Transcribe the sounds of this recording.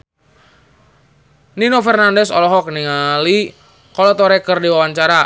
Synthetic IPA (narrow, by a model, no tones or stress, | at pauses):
ninofɛrnandɛsɔ̰lɔɦɔk̚niŋali | kɔlɔt̪ɔɾɛkərdiwawaɲt͡ʃaɾa